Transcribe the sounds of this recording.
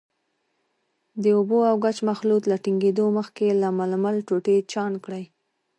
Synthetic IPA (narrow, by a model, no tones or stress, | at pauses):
d̪əoboawɡat͡ʃmaxlut̪laʈiŋɡed̪oməxkelamalmalʈoʈet͡ʃɑnkɽəj